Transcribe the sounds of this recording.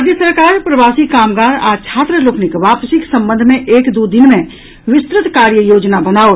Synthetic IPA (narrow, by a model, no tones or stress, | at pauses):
d͡ʒjəsəɾkaːɾpɾɐʋaːsikaːmɡaːɾa̰ːt͡ʃʰaːt̪ɾəloːkʰnɪkʋaːpsɪksɐ̃mbə̃nd̪ʱmẽʔeːkd̪ud̪ɪnmẽ | ʋɪst̪ɾɪt̪kaːɾjəjoːd͡ʒnabɐnaːo